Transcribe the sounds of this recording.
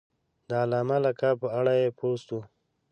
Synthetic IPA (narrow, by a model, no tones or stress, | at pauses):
d̪əalɑːmalakapəaɽajepʰost̪u